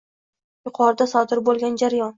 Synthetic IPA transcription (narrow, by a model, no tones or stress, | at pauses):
jʊqʰɒɾd̪asɒd̪ɪɾbolˠɡʲand͡ʒaɾjɒn